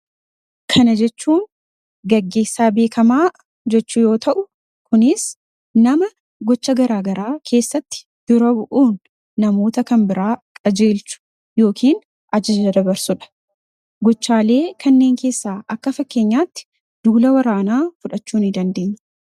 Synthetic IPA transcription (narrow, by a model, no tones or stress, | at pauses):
kʰɐnɐd͡ʒɛt͡ʃːuːŋ | ɡɐɡːe̞ːsːaːbe̞ːkʰɐmaː | d͡ʒɛt͡ʃːʊjo̞ːt̪ɐʔʊ | kʊnɪs | nɐmɐ | ɡɔt͡ʃːɐɡɐɾaːɡɐɾaːkʰe̞ːsːɐt̪ːɪ̥ | d̪̥ʊɾɐbʊʔuːnː | ɐmo̞ːt̪ɐkɐmbɪɾaːkʼɐd͡ʒe̞ːlt͡ʃʊ̥ | jo̞ːkʰiːn | ʔɐd͡ʒɐd͡ʒɐd̪ɐbɐɾsʊᶑɐ̥ | ɡɔt͡ʃːaːle̞ːkʰɐnːe̞ːŋke̞ːsːaːʔɐkːɐfɐkːe̞ːɲːaːt̪ːɪ̥ | d̪̥uːlɐwɐɾaːnaːfʊᶑɐt͡ʃːuːnɪd̪ɐnd̪e̞ːɲːɐ